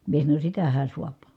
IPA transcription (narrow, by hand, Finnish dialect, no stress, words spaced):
mie sɑnonʲ sitæhæ suɑp